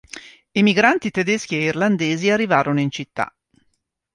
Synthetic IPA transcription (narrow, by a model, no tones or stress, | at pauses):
emiɡɾant̪it̪ed̪ɛsk̟ieirland̪eːziarːivaːɾonoint͡ʃit̪ːa̰